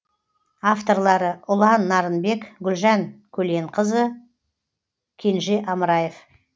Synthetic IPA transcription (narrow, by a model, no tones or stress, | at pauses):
aft̪o̞ɾlˠɑɾəʔʊlˠɑnːɑɾənbe̞kɡʲʏlʒɑŋkʲʰɵle̞ɴqʰəzə | kʲʰe̞nʒeʔɑməɾɑjef